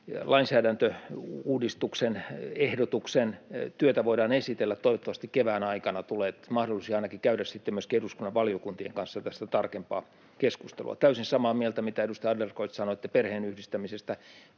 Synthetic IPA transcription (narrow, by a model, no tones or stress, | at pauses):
lʔɑinsæːdænt̪øuːdist̪uksenehdot̪uksent̪yøt̪æʋoidɑːnesit̪elːæt̪t̪oiʋot̪ːɑʋɑst̪ikkeʋæːnɑikɑnɑt̪uleːt̪mɑhdolˑisiɑinɑkikæyɾæssit̪ːemyøskeruskunːɑʋʋɑljokunt̪iḛŋkɑnsːɑt̪æst̪æt̪ɑrkempɑ̰ː | keskust̪ḛlṵɑ̰t̪æysinsɑmɑːmielt̪æmit̪æedust̪ɑjɑdlerkoit̪sɑnoet̪ːæperheːnyhdist̪æmisest̪æ